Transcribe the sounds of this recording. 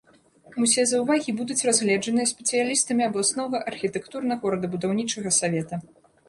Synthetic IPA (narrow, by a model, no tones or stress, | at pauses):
usʲɛzɐwvaɣʲibud̪ut͡sʲrazɣlʲɛd͡ʐɐnɨjɐsʲpʲɛt̪sɨjalʲist̪ɐmʲiɐblˠasnɔɣɐʔɐrxʲit̪ɛkt̪urnɐɣɔɾɐd̪ɐbud̪awnʲit͡ʂɐɣɐsavʲɛt̪ɐ